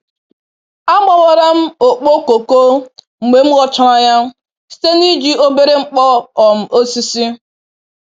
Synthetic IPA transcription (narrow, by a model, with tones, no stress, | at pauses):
a˦ma˨wɔ˨ɾa˦m̩˦o˨k͡po˦ko˨ko˦ | ŋ͡m̩˨ɡ͡be˨m̩˦ɣɔ˦t͡ʃɔ˦ɾa˦ja˦ | si̥˦te˦ni˦d͡ʒi˦o˦be˦ɾe˦ŋ͡m̩˦k͡pɔ˦ɔ˨m̩˨o˦si˦si˦